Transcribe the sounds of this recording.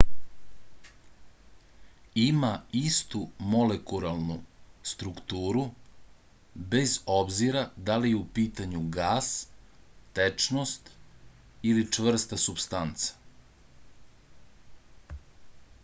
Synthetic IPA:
imaist̪umolekuɾalˠnust̪ɾukt̪uːɾu | be̞zo̞bziɾad̪alijeupiːt̪aɲuɡaːs | t̪et͡ʂnost̪ | ilit͡ʂʋr̩st̪asupst̪ant̪sḁ

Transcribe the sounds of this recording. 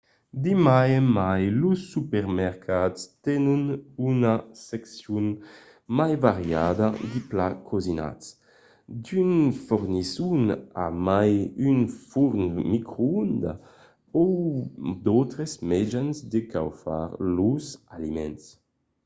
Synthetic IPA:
d̪imajemajlusːypɛʁmɛʁkʰatst̪ɛnunynasɛksjun | majvaʁjad̪ad̪iplakʰɔzina̰ts | d̪ynfuʁnisuna̰majynfuʁnmikɾound̪a̰ | ɔ | d̪ɔwt̪ɾesmɛd͡ʒanzd̪eka̰wfa̰ʁluzalimɛ̰ns

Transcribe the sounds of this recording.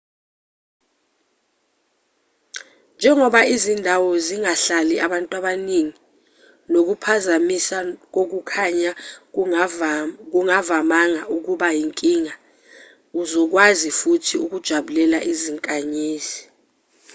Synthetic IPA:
nd͡ʒʱɛŋɔɓaizindʱawɔziŋaɬaliʔaɓantʼwaɓaniŋi | nok̬upʰazamisak̬ok̬ukʰaɲa | k̬uŋavamaŋaʔuk̬uɓajiŋkʼiŋa | uzɔk̬wazifutʰiuk̬ud̥ʒ̥ʱaɓulɛla̰ʔiziŋkʼaɲiːzi

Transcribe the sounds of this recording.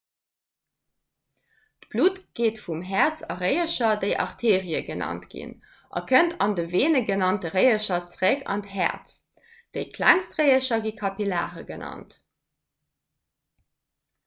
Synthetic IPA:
tb̥luːtɡ̥eːtfumɦæt͡sɑ̰ʁəɪəʃɐdəɪʔɑ̰ʁtʰeːʁiəɡənʔɑ̰ntɡ̥ḭn | ʔɑ̰kʰəntʰɑndəveːnəɡənɑntəʁəɪəʃɐt͡sʁəkɑ̰ntɦɛ̰t͡s | d̥eɪkʰlæ̰ŋstʁəɪəʃɐɡikʰɑpila̰ːʁəɡənɑ̰nt

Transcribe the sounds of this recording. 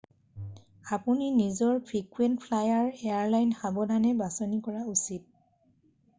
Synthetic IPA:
apuninizɔɹpʰɹikwentpʰlajaɹɛaɹlajnxabɔdʱanɛbasɔnikɔɹausit̚

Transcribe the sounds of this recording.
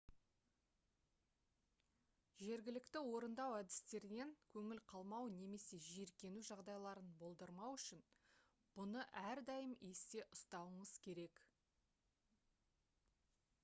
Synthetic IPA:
ʒe̞ɾɡʲɪlɪkt̪ɪwo̞ɾənd̪ɑwæd̪ɪst̪e̞ɾɪne̞ŋkʲʰɵŋɪlqʰɑlˠmɑwne̞me̞se̞ʒeɾkʲe̞nuʒɑʁd̪ɑjlˠɑɾənbo̞lˠd̪əɾmɑwʏʃɪn | b̥ʊnəʔæɾd̪ɑjəmest̪e̞ʔʊst̪ɑwəɴəz̥kʲʰe̞ɾe̞k

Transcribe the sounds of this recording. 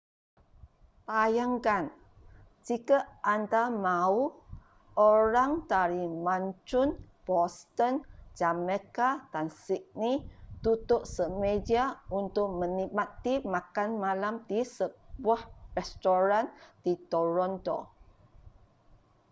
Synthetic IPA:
pajaŋkan | d͡ʒikaʔand̪amau | oɾaŋt̪aɾimãɲt͡ʃʊn | b̥ɔst̪ənd͡ʒamɛkad̥ansiʔ̚nit̪ut̪ʊʔsəmediaunt̪ʊʔ̚mə̃nimat̪ːimãkanmalamdisəbuahrɛst̪oɾand̥it̪oɾɔnt̪o̰

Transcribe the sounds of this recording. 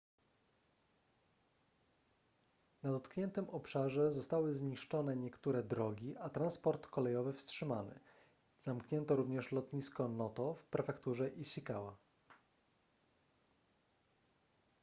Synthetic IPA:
nad̪ɔt̪kɲɛnt̪ɘmɔpʂaʐɛzɔst̪awɘzɲiʂt͡ʂɔnɛɲɛkt̪uɾɛd̪ɾɔɡʲiʔat̪ɾanspɔɾt̪kɔlɛjɔvɘfstʂɘmanɛ̰ | z̥amkɲɛnt̪ɔɾuvɲɛʂlɔt̪ɲiskɔnɔt̪ɔfpɾɛfɛkt̪uʐɛʔiɕʲikawa

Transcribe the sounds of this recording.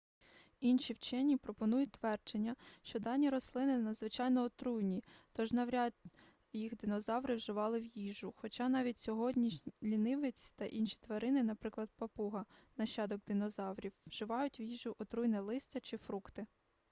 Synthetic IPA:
inʃʲiwt͡ʃɛnʲipɾɔpɔnujʊtʲt̪ʋɛrd͡ʒenʲːɐʃt͡ʃɔd̪ɑnʲːiɾɔslˠɪnɪnɐd̪zʋɪt͡ʃɑjnɔːt̪ɾujnʲit̪ɔʒnɐʋɾʲɑd̪ | jixd̪ɪnɔzɑwɾɪwʒɪʋɑlˠɪwjiʒʊxɔt͡ʃɑnɑʋʲitʲsʲɔɦɔdʲnʲilʲinɪʋɪt͡sʲi̥t̪ɐʔinʃi̥t̪ʋɐɾɪnɪnɐpɾɪklˠɐd̪̚pɐpuɦɐnɐʃːɑd̪ɔɡ̚d̪ɪnɔzɑwɾʲiwːʒ̥ɪʋɑjʊtʲwjiʒʊʔɔt̪ɾujnɛlˠɪsʲt͡sʲɐt͡ʃɪfɾukt̪ɪ

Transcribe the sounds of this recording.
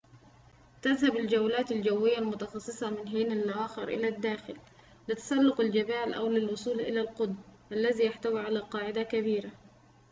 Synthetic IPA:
t̪aðhabald͡ʒawlaːt̪ald͡ʒawːɪjːalmʊt̪ɑxɑsˤːɨsˤɑmɪnɦiːnalʔawaːxɪɾʔɪ̰lad̪ːaːxɪl | lɪt̪ḁsɑlːʊqald͡ʒabaːlʔa̰wlɪlwʊsˤuːlʔɪ̰lalqʊd̪mʔalːaðijaħt̪awiʕalaqɑːʕɪd̪akaβiːɾa

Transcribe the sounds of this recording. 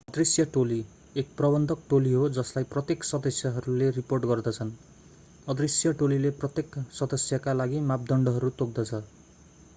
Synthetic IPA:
ʌd̪risjʌʈoli | ek̚prʌbʌnd̪ʱʌk̚ʈoliɦod͡zʌslajprʌt̪jeksʌd̪ʌsjʌɦʌɾuleriporʈɡʌrd̪ʌt͡sʰʌn | ʌd̪risjʌʈolileprʌt̪jeksʌd̪ʌsjʌkalaɡimap̚d̪ʌɳɖʌɦʌɾut̪ok̚d̪ʌt͡sʰʌ

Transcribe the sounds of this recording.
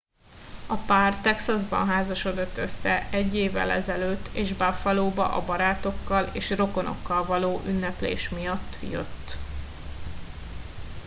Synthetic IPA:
ɒpaːrt̪ɛksɒzbɒ̰nɦaːzɒʃo̞d̪o̞t̪ːø̞sːɛɛɟːeːvɛ̰lɛzɛløːt̪ːeːʒbafɒloːbɒ̰ʔɒbɒɾaːt̪o̞kːɒleːʃro̞ko̞no̞̰kːɒlvɒloːʔynːɛplḛːʃmijɒt̪ːjø̰t̪ː

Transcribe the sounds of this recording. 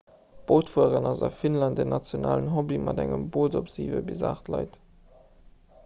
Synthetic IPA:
b̥oːtfuəʁənɑzɑ̰finlɑnt̚deːɐnɑt͡sjonaːlənɦobimʔɑdæŋə̰mboːdopz̥iːvəbiza̰ːχtlɑɪt

